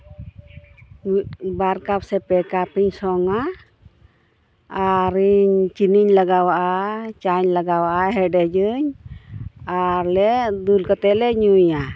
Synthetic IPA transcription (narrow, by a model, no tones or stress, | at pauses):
baɾkap̚sɛpɛkapiɲsɔŋa | aɾiɲt͡ʃiniɲlaɡawaʔat͡ʃaɲlaɡawaʔaɦɛɖɛd͡ʒɯɲ | aɾlɛd̪ulkat̪ɛlɛɲuja